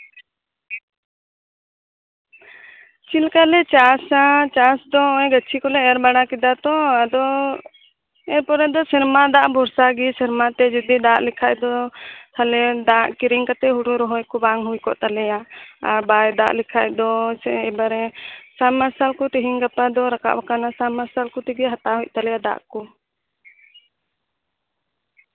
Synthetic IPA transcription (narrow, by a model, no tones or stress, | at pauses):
t͡ʃilkalɛt͡ʃasat͡ʃasd̪ɔɔ̃jɡət͡ʃʰikɔlɛɛɾbaɽakid̪at̪ɔad̪ɔ | ɛpɔɾɛd̪ɔsɛɾmad̪aʔbʱɔɾsaɡisɛɾmat̪ɛd͡ʒud̪id̪aʔlɛkʰaʔd̪ɔt̪ʰalɛd̪aʔkiɾiŋkat̪ɛɦuɖuɾɔɦɔjkɔbaŋɦujkɔ̰ʔt̪alɛjaaɾbajd̪a̰ʔlɛkʰaʔd̪ɔɛbaɾɛsamaɾsalkɔt̪ɛɦiŋkapad̪ɔɾaka̰ʔbakanasamaɾsalkɔt̪iɡɛɦat̪aɦuc̚ˀt̪alɛjad̪a̰ʔkɔ